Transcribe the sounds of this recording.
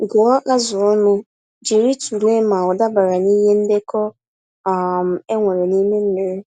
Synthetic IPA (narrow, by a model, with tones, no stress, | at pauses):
ɡʊ˨ɔ˦ka˦zʊ˨ɔ˦nʊ˦ | d͡ʒi˨ɾi˦tu˨le˦ma˨ʊ˨da˦ba˨ɾa˨ni˦ɦe˦n̩˦de˦kɔ˦ | a˨m̩˨e˦ŋʷe˨ɾe˨ni˦me˦n̩˦ne˨ɾe˦